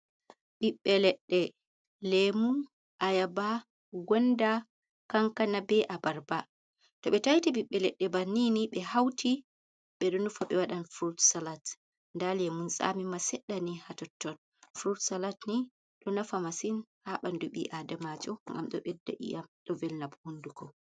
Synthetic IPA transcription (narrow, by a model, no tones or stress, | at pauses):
ɓiɓːɛlɛɗːɛ | lɛmun | ʔajaba | ɡɔnda | kaŋkanabɛʔabaɾba | tɔɓɛtajtiɓiɓːɛlɛɗːɛbanːiniɓɛhawtʰi | ɓɛɗɔnufaɓɛwaɗanfɾutsalat | ndalɛmunsa̰mimasɛɗːanihatɔtːɔn | fɾutsalatni | ɗɔnafamasinhaɓanduɓḭʔadamad͡ʒɔŋɡa̰mɗɔ̰ɓɛdːa̰ʔḭjamɗɔvɛlnabhundukɔ